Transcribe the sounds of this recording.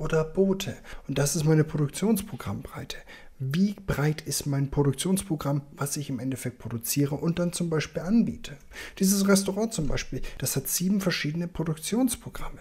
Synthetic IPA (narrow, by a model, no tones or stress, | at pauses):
ʔoːdɐb̥oːtʰəʊnt̚d̥asɪstmaɪnəpʁ̥odʊk̚t͡sjoːnspʁ̥oɡʁa̰mbʁa̰ɪtʰə̥ | viːbʁaɪtʰɪstmaɪnpʁ̥oɾʊkt͡sjoːnspʁ̥oɡʁamvasɪçɪmʔɛndɛfɛk̚t̚pʁ̥odʊt͡siːʁəʔʊnt̚d̥ant͡sʊmbaɪʃpiːlʔanbḭːtʰə | d̥iːzəsʁɛstoʁɑ̃ːt͡sʊmba̰ɪʃpiːld̥ashatz̥iːbm̩fɛɐʃiːdənəpʁ̥oɾʊkt͡sjoːnspʁ̥oɡ̥ʁa̰mə